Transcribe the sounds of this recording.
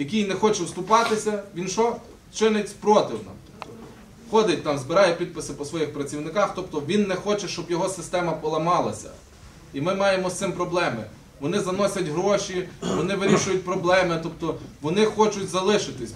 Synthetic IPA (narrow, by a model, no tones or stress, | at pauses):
jɐkʲijnɛxɔt͡ʃɛwst̪ʊpɑt̪ɪsʲɐʋʲinʃɔ | t͡ʃɪnɪtʲpɾɔt̪ɪwnɑ̰mt̪ɔt̪ɔ | xɔd̪ɪt̚ʲt̪ɑmzbɪɾɑjɛpʲid̪̚pɪsɪpɔsʋɔjixpɾɐt͡sʲiwnɪkɑxt̪ɔpt̪ɔʋʲinːɛxɔt͡ʃɛʃt͡ʃɔbjɔɦɔsɪst̪ɛmɐpɔlˠɐmɑlˠɐsʲɐ̰ | imɪmɑjemɔst̪sɪmpɾɔblˠɛmɪ̰ | ʋɔnɪzɐnɔsʲɐtʲɦɾɔʃʲiʋɔnɪʋɪɾʲiʃʊjʊt̚ʲpɾɔblˠɛmɪt̪ɔpt̪ɔʋɔnɪxɔt͡ʃʊtʲzɐlˠɪʃɪt̪ɪsʲ